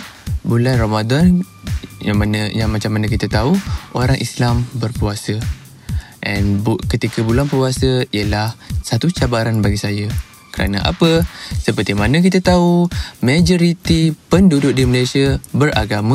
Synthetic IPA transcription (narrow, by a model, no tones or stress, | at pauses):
bulanramadɔn | jaanjaŋmat͡ʃamːanãkit̪at̪auʔoɾaŋʔislambərpuasə | ʔɛnbukət̪ikəbulanpuasəiəlahsat̪ut͡ʃabaɾanbaɡisajə | kəɾa̰na̰ʔa̰pəsəpərt̪imanək̬it̪at̪aumad͡ʒoɾit̪ipəndudʊk̚diməlajsiabəɾa̰ɡamã